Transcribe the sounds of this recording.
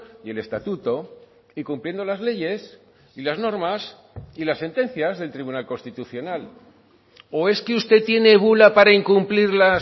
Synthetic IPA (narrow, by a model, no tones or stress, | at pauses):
je̞le̞st̪at̪ut̪o̞ | ikumplje̞nd̪o̞lazle̞ʝe̞s | ilazno̞ɾmas | ilasːe̞nt̪ẽ̞n̟θjazðe̞lt̪ɾiβunalko̞nst̪it̪uθjo̞nal | oe̞skeust̪e̞t̪je̞ne̞βulapaɾaiŋkumpliɾla